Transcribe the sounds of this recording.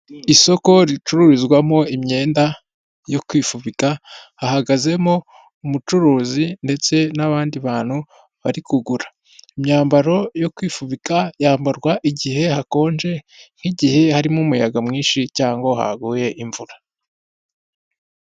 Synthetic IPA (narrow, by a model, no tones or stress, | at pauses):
iso̞ko̞ɾit͡ʃuɾuɾizɡwamo̞imɲe̞ːnda | jo̞kwiːfuβikahahaɡaze̞mo̞ | umut͡ʃuɾuːzinde̞t͡se̞naβaːndiβaːn̥hu | βaɾikuɡuɾḁ | imɲaːmbaɾo̞jo̞kwiːfuβikajaːmbaɾɡwaʔiɟihe̞hako̞ːnʒe̞n̥hiɟihe̞haɾimumujaɡamŋiːnʃicaːŋɡo̞ha̰ɡuːje̞ʔiɱvuɾa